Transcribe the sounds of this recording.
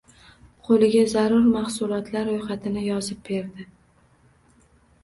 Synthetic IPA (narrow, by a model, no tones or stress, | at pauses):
qʰolɪɡʲazaɾʊɾmaχsʊlˠɒt̪ʰlaɾːojχat̪ʰɪnɪjɒzɪp̚be̞ɾd̪ɪ